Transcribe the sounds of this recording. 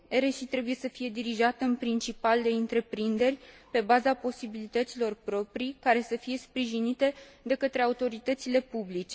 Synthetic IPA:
e̞ɾeʃit̪ɾe̞buje̞səfije̞d̪iɾiʒat̪əɨnpɾint͡ʃipald̪e̞ɨnt̪ɾe̞pɾind̪e̞rʲpe̞bazapo̞sibilit̪ət̪silo̞rpɾo̞pɾikaɾe̞səfije̞spɾiʒinit̪e̞d̪e̞kət̪ɾe̞aut̪o̞ɾit̪ət̪sile̞publit͡ʃe̞

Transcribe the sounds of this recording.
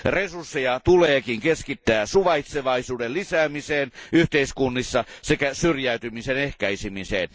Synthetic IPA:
resursːejɑt̪uleːkiŋkeskit̪ːæːsuʋɑit̪seʋɑisuːdellisæːmiseːnyht̪eiskunːisːɑsekæsyrjæyt̪ymisenehkæisimisḛːn

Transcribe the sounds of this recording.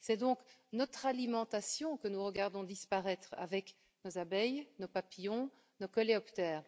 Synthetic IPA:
sɛd̪ɔ̃knɔt̪χalimɑ̃t̪asjɔ̃kənuʁəɡaʁd̪ɔ̃d̪ispaʁɛt̪χa̰vɛk | nozabɛjnopapijɔ̃ | nokɔleɔpt̪ɛːʁ

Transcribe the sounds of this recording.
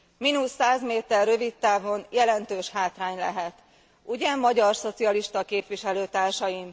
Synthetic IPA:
minusːaːzmeːt̪ɛrːø̞vit̪ːaːvo̞njɛlɛnt̪øːʃhaːt̪raːɲlɛ̰ɦɛt̪ | uɟɛmːɒɟɒrso̞t̪siɒliʃt̪ɒkeːpʋiʃɛløːt̪aːrʃɒjim

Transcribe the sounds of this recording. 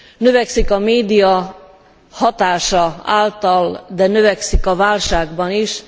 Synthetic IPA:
nøvɛksikɒmeːd̪ijɒ | hɒt̪aːʃɒaːlt̪ɒld̪ɛnøvɛksikɒvaːlʃaːɡbɒniʃ

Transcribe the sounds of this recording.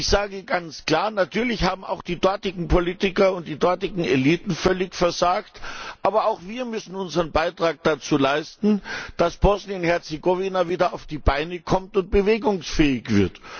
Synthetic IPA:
ɪçz̥aːɡəɡant͡skl̥aːɐnatʰyːɐlɪçhaːbm̩a̰ʊxd̥iːdɔɐtɪɡŋ̩pʰoliːtɪkɐʊnt̚d̥iːdɔɐtɪɡŋ̩eliːtn̩fœlɪçfɛɐzaːktʔaːbɐaʊxv̥iːɐmʏsn̩ʊnzəʁənbaɪtʁ̥aːk̚d̥at͡suːlaɪstn̩d̥asb̥ɔsniʊnthɛɐt͡seɡovinaviːdɐaʊfd̥iːbaɪnəkʰɔmtʊnt̚b̥əveːɡʊŋsfɛːɪçv̥ɪɐt

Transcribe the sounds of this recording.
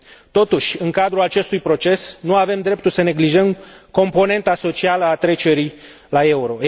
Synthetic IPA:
t̪o̞t̪uʃʲɨŋkad̪ɾulat͡ʃe̞st̪ujpɾo̞t͡ʃe̞snuave̞md̪ɾe̞p̚t̪ulsəne̞ɡliʒəmko̞mpo̞ne̞nt̪aso̞t͡ʃialəat̪ɾe̞t͡ʃe̞ɾij | lae̞uɾo̞

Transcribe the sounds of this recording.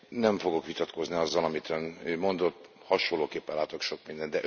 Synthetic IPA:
nɛɱfo̞ɡo̞kʋit̪ɒt̪ko̞zniɒzːɒlɒmit̪ønøːmo̞nd̪o̞t̪ː | hɒʃolːoːkeːpːɛnlaːt̪o̞kʃo̞kmind̪ɛnd̪ɛ

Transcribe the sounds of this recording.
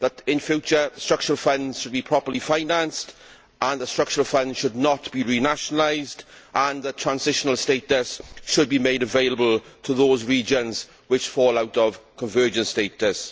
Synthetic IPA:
ðətɪ̃nfjut͡ʃəstɹ̥ʌk̚t͡ʃəɹəlˠfə̃ndz̥ʃəd̚bipʰɹ̥ɒpəlifaɪnãnst | ə̃nðəstɹ̥ʌk̚t͡ʃəɹəlˠfə̃nd̥ʃʊdⁿnətb̥iɹinaʃənəlaɪzdʔə̃nðətʰɹ̥ãnzɪʃənəlˠsteɪtəsʃʊd̚bimeɪdəveɪləbəlˠtʰəðoːzɹiːd͡ʒə̃nz̥ | wɪt͡ʃfɔːlˠaʊtəv̥kʰə̃ɱvɜːd͡ʒə̃nsteɪtəs

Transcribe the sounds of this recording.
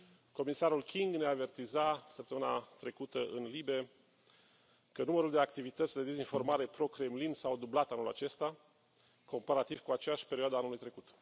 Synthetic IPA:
ko̞misaɾulkʲiŋɡneave̞rt̪izasəpt̪əmɨnat̪ɾe̞kut̪əʔɨnlibe | kənuməɾuld̪e̞akt̪ivit̪ət̪sʲd̪e̞d̪e̞zinfo̞rmaɾe̞pɾo̞kɾe̞mlinsawd̪ublat̪anula̰t͡ʃe̞st̪a | ko̞mpaɾat̪iv̥kuat͡ʃejaʃʲpeɾioad̪anulujt̪ɾe̞kut̪

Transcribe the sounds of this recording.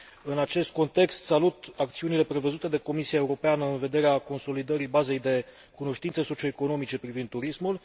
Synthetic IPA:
ɨnat͡ʃe̞st̪̚ko̞nt̪e̞kst̪salut̪ak̚t̪siunile̞pɾe̞vəzut̪e̞d̪e̞ko̞misiaeuɾo̞peanəɨnve̞d̪e̞ɾeako̞nso̞lid̪əɾibaze̞jd̪e̞ | kuno̞ʃt̪int̪səso̞t͡ʃio̞eko̞no̞mit͡ʃe̞pɾivind̪ːuɾismul

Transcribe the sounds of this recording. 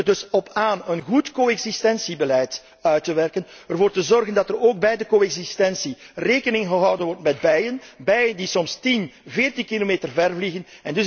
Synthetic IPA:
ərdɵsɔpʰaːnənɣutkoːɛɡzistɛnsibəlɛjt | œɥtəʋɛrkən | ərvoːrtəzɔrɣəndɑtəroːɡ̚bɛjdəkoɛɡzistɛnsireːkənɪŋɣəɦɑwdənʋɔrtmɛd̚bɛjənbɛjəndisɔmstinveːrtinkilomeːtərvɛrvliɣənɛndɵ

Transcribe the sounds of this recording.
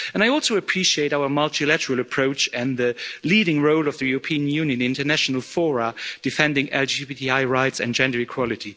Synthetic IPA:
ɨ̃naɪɔlˠsoʊɨpʰɹ̥iʃieɪɾaʊə˞mʌlˠtilæɾə˞l̩ˠəpʰɹ̥oʊt͡ʃɨ̃nðɨliɾɪ̃ŋɹoʊlˠʌvðɨjuɹəpʰĩɨ̃njʉ̃njɨ̃nɪ̃ntə˞næʃn̩əl̩ˠfɔɹəd̥ɨfɛ̃ndɪ̃ŋɛ̰lˠd͡ʒibitiaɪɹaɪtsɨ̰̃nd͡ʒɛ̃ndə˞ɨkʰw̥ɑlˠɨɾi

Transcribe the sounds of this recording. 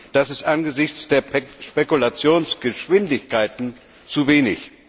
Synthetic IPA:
d̥asɪstʔanɡəzɪçt͡sd̥eːɐʃpekulat͡sjoːnsɡ̥əʃv̥ɪndɪçkʰaɪtn̩ | t͡suveːnɪç

